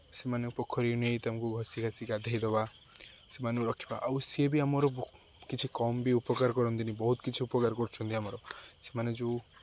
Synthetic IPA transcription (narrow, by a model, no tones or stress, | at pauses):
semanepɔkʰːɔɾinejt̪amɔkuɡʱɔsikasikad̪ʱaɦjd̪ɔbasemaneuɾɔkʰːi̥ba̰ʔawsiebiamɔɾɔ | kit͡ʃʰikɔmbiupɔkaɾkɔɾɔnt̪inibɔɦut̪kit͡ʃʰiupɔkaɾkɔɾt͡ʃʰɔnt̪iamɔɾɔsemaned͡ʒu